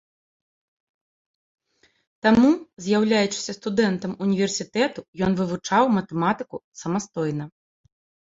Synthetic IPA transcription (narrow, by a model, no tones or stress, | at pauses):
t̪amuzʲjawlʲajut͡ʂɨ̥sʲɐst̪ud̪ɛnt̪ɐmunʲivʲɛrsʲit̪ɛt̪ujɔnvɨvut͡ʂawmɐt̪ɛmat̪ɨkusɐmast̪ɔjn̪ɐ